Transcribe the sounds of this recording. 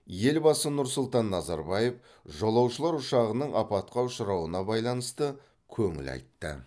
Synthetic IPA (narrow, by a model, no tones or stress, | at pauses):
je̞lbɑsənʊɾsʊlˠt̪ɑnːɑzɑɾbɑje̞f | ʒolˠɑwʃəlˠɑɾʊʃɑʁənəɴʔɑpɑt̪̚qɑʊʃəɾɑwənɑbɑjlˠɑnəst̪ə | kʲʰɵŋɪ̰lɑ̰jt̪ːə̰